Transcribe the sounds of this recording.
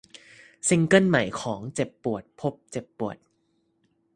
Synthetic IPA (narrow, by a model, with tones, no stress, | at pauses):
si˧ŋkɤ˥˩˨nma˨˩jkʰɔː˩˦ŋt͡ɕe˨˩pːu˨˩ət̪̚pʰo˦˥p̚t͡ɕe˨˩pːu˨˩ət̪̚